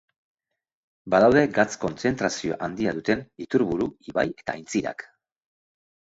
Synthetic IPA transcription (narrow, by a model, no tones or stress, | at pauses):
baðawðe̞ɡat͡sko̞nt͡se̞nt̪ɾasio̞̰ʔand̪iaðut̪e̞nit̪uɾβuɾuiβa̰je̞̥t̪aːjnt͡siɾa̰k